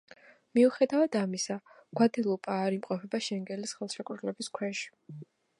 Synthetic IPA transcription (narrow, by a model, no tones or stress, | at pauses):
miuχɛd̪avad̪amisaɡ̥wad̪ɛlˠupʼaːɾimqʼɔpʰɛbaʃɛŋɡɛlisχɛlˠʃɛkʼvɾlɛbiskʰwɛʃi̥